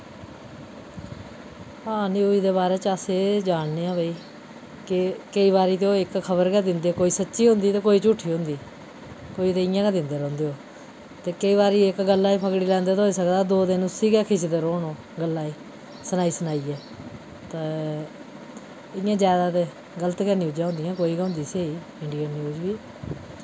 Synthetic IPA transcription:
hãːnĩoːiːd̪eːβaːɾeːt͡ʃəseːd͡ʒaːɳneːãːbəiː | kɪkəiːβaːɾiːt̪eoːɪkkʰːəbəɾkɛd̪ɪnd̪eːkoːiːsətːʃiːɦʊ̃nd̪iːt̪eːkoːiːt͡ʃuːʈʰːiːɦʊ̃nd̪iː | koːiːt̪eːɪjãːkːd̪ɪnd̪eːɾɔ̃ːnd̪eːoː | t̪eːkəiːβaːɾiːɪkɡəlːaːipʰəkɽiːlɛ̃ːnd̪eːt̪ɦoːiːsəkd̪aːd̪oːd̪ɪnʊsiːɡɛːkʰɪsd̪eːɾoːnoː | ɡəlːaːiː | sənaːiːsənaːiːɛː | t̪eː | ɪjãːd͡ʒjaːd̪aːt̪e | ɡələt̪kɛːnjuːd͡ʒãːɦʊ̃nd̪ɪjãːkoːiːkːʊ̃nd̪iːseːiː | ɪɳɖiːənːjuːd͡ʒʋiː

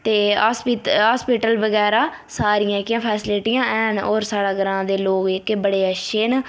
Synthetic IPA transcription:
t̪eːaːspːɦaːspiːʈəlʋəɡɛːɾaː | saːɾijãːkɪjãːpʰɛːsleʈɪjãːɛːnoːɾsaːɽaːɡəɾãːd̪eːloːɡɪkːebəɽeːəʃeːn

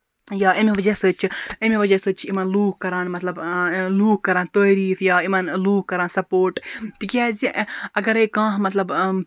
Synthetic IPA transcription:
jaːʔɐmiʋɐd͡ʒɐsɨːt͡ʃʰiɐmiʋɐd͡ʒɐsɨːt͡ʃʰiimɐnluːkkɐɾãːnmɐt̪lɐbluːkkɐɾaːnt̪oːɾiːfjaːimɐnluːkkːɐɾãːnsɐpoːɾʈt̪ikaːziɐɡɐɾekãːɦmɐt̪lɐb

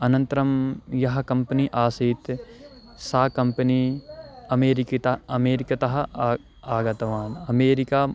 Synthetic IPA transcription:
ɐnɐ̃nt̪ɐɾɐmjɐɦɐkɐ̃mpɐniʔaːsiːt̪ | saːkɐmpɐni | ɐmeːɾikt̪ɐɐmeːɾikɐt̪ɐɦɐ | aːɡɐt̪ɐʋaːnɐmeːɾikaː

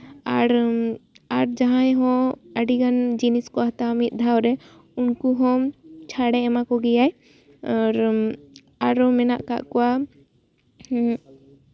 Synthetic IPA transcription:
aɾ | aɾd͡ʒaɦãjɦɔ̃əɖiɡand͡ʒiniskɔɦat̪amit̪̚ˀd̪ʱawɾɛ | unkuɦɔ̃mt͡ʃʰaɽɛɛmakɔɡɛjaj | ɔɾ | aɾɔ̃mɛnaʔka̰ʔkɔwa

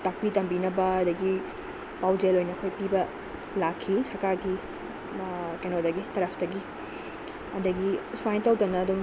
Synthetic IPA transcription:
tɐk̚pitɐmbinɐbɐɐdɐɡi | pawd͡ʒelojnɐkʰojpibɐ | lakʰːisɐɾkaɾɡi | kenodɐɡitɐɾɐpʰdɐɡi | ɐdɐɡiswajntɐwtɐnɐːduŋ

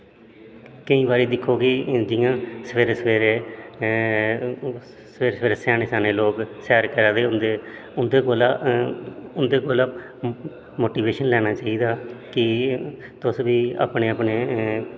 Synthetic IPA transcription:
kəĩːbaːɾiːd̪ɪkʰːoːɡiːd͡ʒɪjãːsəʋeːɾeːsəʋeːɾeː | sʋeːɾsʋeːɾeːsaːneːsaːneːloːksɛːɾkəɾaːd̪eːʊnd̪eːʊnd̪eːkoːlaː | ʊnd̪eːkoːlaː | moːʈiːʋeːʃənlɛːnaːt͡ʃaːiːd̪aːkɪ | t̪ʊsʋiːa̰ːpneːəpneː

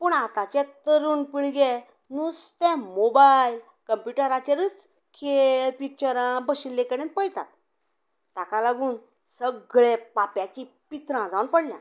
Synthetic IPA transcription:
pəɳat̪ãt͡ɕɛ̃t̪əɾuːnpiɭɡɛ | nust̪ɛ̃mobajl | kəmpjuʈəɾat͡ɕeɾət͡s | kʰelpik̚t͡ɕəɾãbəɕinlːekəɽẽnpəjt̪a̰t̪ː | akalaɡuːn | səɡɭɛ̃papjãki | pit̪ɾãd͡zaunpəɽljã̰

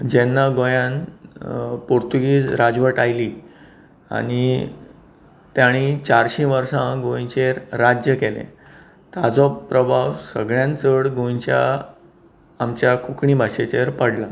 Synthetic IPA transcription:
d͡ʑɛnːaɡojãn | poɾt̪uɡiːd͡zɾad͡zʋəʈajli | a̰ɽ̃i | t̪jaɽ̃it͡ɕaɾɕĩʋəɾsãɡõj̃t͡ɕeɾːad͡ʑjəkelḛ̃ | t̪ad͡zɔpɾəbʱawsə̰ɡɭjãnt͡səɽɡõjt͡ɕja̰ | mt͡ɕjakʰukɳĩbʱaɕet͡ɕeɾpəɽla

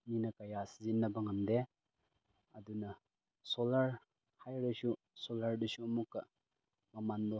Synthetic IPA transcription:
minɐkɐjasizinːɐbɐŋɐmde | ɐdunɐ | solɐɾ | hajɾesu | solɐɾdusuːmukːɐ | mɐmandɔ

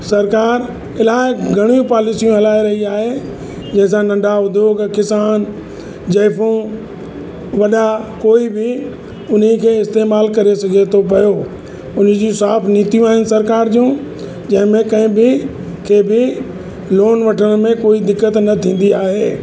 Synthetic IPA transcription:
sɐɾkaːɾ | ɪlaːɪɡʱɐɽ̃iũpaːlɪsijũɦɐlaːeɾɐɦiaːɦe | d͡ʑɐ̃ɦɪ̃s̬ãnɐ̃ɳɖʱaɦʊd̪ʱjoːɡkɪsaːn | d͡ʑɐɪfũ | ʋɐɗakoːibɪ | ʊnikʰeːɪst̪eːmaːlkɐɾesɐɡʱet̪ʰopɐjoː | ʊnd͡ʑĩsaːfʰniːt̪ijũaːɦɪnɪ̆sɐɾkaːɾd͡ʑũː | d͡ʑɐ̃ɦɪ̃mẽkɐ̃ɦɪ̃bɪ | kʰeːbɪ | loːnʋɐʈʰəñmẽkoːid̪ɪkːət̪nɐt̪ʰĩːn̆d̪iaːɦeː

